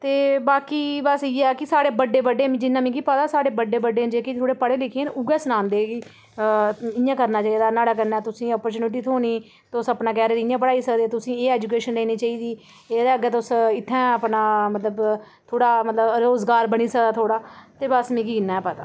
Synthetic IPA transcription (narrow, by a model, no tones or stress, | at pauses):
t̪eːbaːkiːbəsiːɛːkɪsaːɽeːbəɖeːbəɖeːmd͡ʒɪnːãːmĩːkiːpət̪aːsaːɽeːbəɖeːbəɖeːd͡ʒeːkit̪ʰoːɽeːpəɽeːlɪkʰẽːnʊɡɛːsənãːnd̪eːɡiː | ɪ̃jãːkəɾnaːt͡ʃaːiːd̪aːnaːɽaːk̬əɾnaːt̪ʊsĩːɔːpəɾt͡ʃuːnʈ̬iːt̪ʰoːniː | t̪ʊsəpnaːk̬ɛːɾeːd̪ɪ̃jãːpəɽaːiːsək̚d̪eːɛːt̪ʊsĩːeːɛːd͡ʒuːk̬eːʃənleːniːt͡ʃaːiːd̪iː | eːd̪eəɡɛːt̪ʊsɪt̪ʰːɛ̃ːəpnaːmət̪ləb | t̪ʰoːɽaːmət̪ləbɾoːzɡaːɾbəɽ̃iːsək̚d̪aːt̪ʰoːɽaːt̪eːbəsmĩːkinːãːɛːpət̪a̰ː